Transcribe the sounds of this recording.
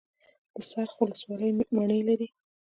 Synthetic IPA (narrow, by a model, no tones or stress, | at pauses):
d̪̥əsaɾxwʊləswɑləjmaɳəjlaɾi